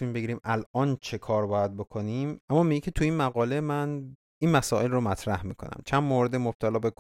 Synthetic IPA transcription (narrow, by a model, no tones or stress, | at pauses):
unimbe̞ɟiɾiːmʔælɒːnt͡ʃʰe̞kʰɒːɾbɒːjæd̪̚bo̞kʰoniːmæmːɒːmiɟecʲʰe̞t̪ʰuiːnmæɣɒːlemæn | iːnmæsɒːe̞lromæt̪ʰɾæhmiːkʰo̞̰næ̰mt͡ʃʰænmoɾed̪emob̥̚t̪ʰælɒːbek